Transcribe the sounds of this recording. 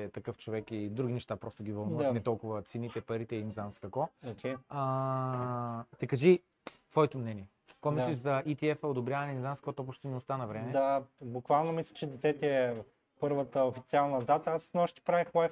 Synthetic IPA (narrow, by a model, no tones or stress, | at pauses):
ɛt̪ɐkɤft͡ʃovɛkid̪ɾuɡ̟inɛʃt̪apɾɔst̪oɡʲivəlˠnanɛt̪ɔlˠkʊvɐt̪sinit̪ɛpɐɾit̪ɛinzanskɐkɔokʲɛja | t̪ɛkɐʒi | t̪v̥ɔɛt̪omnɛniɛ | kɔmislɛʃzɐʔit̪iɛfɐod̪obɾʲjavɐnɛinzanskoɔt̪ɔp̬oʃt̪innost̪anɐvɾɛmɛd̪abʊkvalˠnomislʲɐt͡ʃɛd̪ɛt̪sɛt̪ʲiɛ | pɤɾvət̪əofit̪sialˠnɐd̪at̪əasnɔʃt̪i̥pɾavixwai